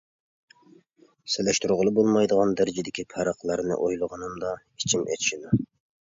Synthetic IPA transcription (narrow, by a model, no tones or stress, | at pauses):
sɪlɛʃt̪uɾʁəlˠɨbolˠmɑjd̪əʁɑnd̪æɾɪd͡ʒɪd̪ɪkʲipʰæɾəqlˠəɾnɨ̰ʔojlˠəʁɑnɨmd̪ɑ | it͡ʃʰimɛ̰t̪ʰʃid̪u